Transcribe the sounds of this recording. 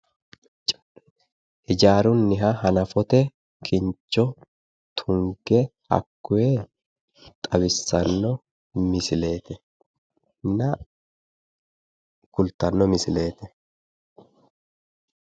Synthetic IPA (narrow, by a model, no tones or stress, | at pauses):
ɪd͡ʒaːɾʊnːɪɦɐhɐnɐfɔt̪ɛ | kʰɪnt͡ʃːɔ | t̪ʰʊŋɡɛhɐ̰kːʊje | t̪ʼɐbɪsːɐnːɔ | mɪsɪle̞ːt̪ɛ | nɐ | ɡ̥ʊlt̪ːɐnːɔmɪsɪle̞ːt̪ɛ